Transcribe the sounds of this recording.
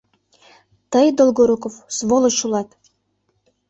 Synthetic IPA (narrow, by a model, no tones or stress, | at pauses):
t̪əjd̪olˠɡoɾukofsvolˠot͡ɕulˠɑt̪